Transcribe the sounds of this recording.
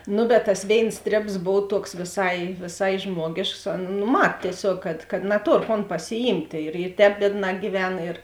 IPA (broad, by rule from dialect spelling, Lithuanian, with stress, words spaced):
ˈnʊ bʲɛt tɐs ˈʋʲeːɪns ˈsʲtʲrʲeːps ˈboːw ˈtuɔks ʋʲeːˈsɐɪ ʋʲeːˈsɐɪ ˈʒmuɔɡʲeːʃks oːn nʊ ˈmɐt tʲiɛˈsʲoːk kɐt kɐt nɐˈtoːr koːn pɐsʲɪˈjiːmʲtʲeː ɪr ɪ ˈtʲɛːp ˈbʲiɛdˌnɑː ɡʲiːˈʋʲɛn ɪr